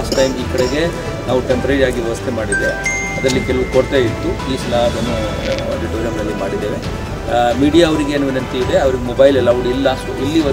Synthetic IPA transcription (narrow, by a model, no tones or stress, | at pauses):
asʈɐjmiːkɐɽeɡe̞ | naːʋuʈempɐɾeɾiaːɡiʋɛʋɐst̪ʰemaːɽid̪ḛʋe | ɐd̪ɾɐlːikɛlɐʋukoɽt̪eit̪ːupliːsɐlad̪enːu | ɐ̰ɖiʈuːʋɾɐmnɐlːimaːɽid̪ːeːʋe | miːɽijaːɐʋɐɾiɡeːnuːʋinɐnt̪iid̪e̞ɐʋɐɾiɡemobɐjlɛlːɐːʋɐɽuilːɐʂuilːiʋɐ